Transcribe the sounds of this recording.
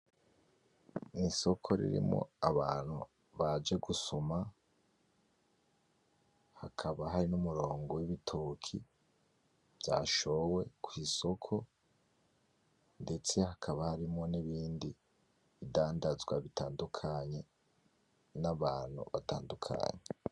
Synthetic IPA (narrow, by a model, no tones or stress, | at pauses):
niso̞kʰo̞ɾḭɾḭmŋo̞̰aβaːn̥hṵ | βad͡ʒeɡusuma | hakʰaβaɦaɾinumuɾo̞ːŋɡo̞wiβitʰukʰi | v̥jaːʃo̞we̞kwiːso̞kʰo̞ | nde̞t͡se̞hakʰaβahaɾimŋo̞niβiːndi | βidaːndazɡwaβitaːndukʰaɲe̞ | naβaːn̥hṵβataːndukʰa̰ɲe